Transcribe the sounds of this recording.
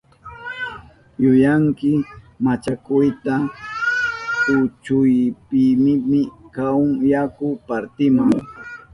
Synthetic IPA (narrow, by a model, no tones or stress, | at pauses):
jʊjaŋkɪ | mat͡ʃakʊjt̪a | ʊt͡ʃʊjpɪmɪmɪkawŋjakʊpaɾt̪ɪmʊŋ